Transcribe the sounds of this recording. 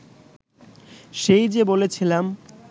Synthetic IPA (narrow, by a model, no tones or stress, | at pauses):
ʃejd͡ʑebolet͡ɕʰilam